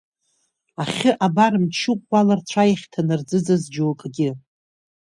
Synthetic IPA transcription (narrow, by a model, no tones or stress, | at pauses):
aχʲɪʔabaɾɨmt͡ʃʰɨkʷʼːalart͡sʷʰajaχʲtʰanɨrd͡zɨd͡zazd͡ʒuwkʼɡʲɪ